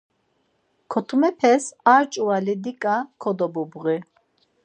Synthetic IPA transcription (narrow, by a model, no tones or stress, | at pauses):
kʰɔt̪ʰumɛpʰɛsaɾt͡ʃʼuwalid̪ikʼakʰɔd̪ɔbubʁi